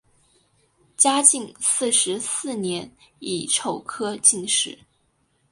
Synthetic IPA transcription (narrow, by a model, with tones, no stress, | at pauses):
t͡ɕja˥t͡ɕi˥˧ŋsɹ̩˥˩ʂɻ̩˧˥sɹ̩˥˩njɛ˧˥ni˨˩ʈ͡ʂʰo˥˩ʊkʰɤ˥t͡ɕi˥˧ŋʂɻ̩˥˩˦